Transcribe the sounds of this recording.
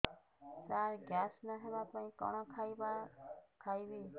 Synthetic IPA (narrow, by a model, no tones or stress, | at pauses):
saɾɡjasnɔɦebapaĩkɔ̰ɽ̃ɔkʰajbakʰajbi